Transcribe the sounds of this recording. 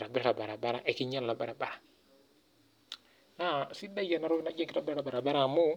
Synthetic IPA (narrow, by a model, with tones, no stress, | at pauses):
ɾa˨bɛ˦ɾa˨ba˨ɾa˨ba˦ɾa˨ʔɛ˨ki˦ɲa˦lla˨ba˨ɾa˨ba˨ɾa˨ | asi˦da˦ija˨naɾu˦i˦na˦d͡ʒa˦ki˨ɾa˨bɛ˦ɾa˨ba˨ɾa˨baɾamu˦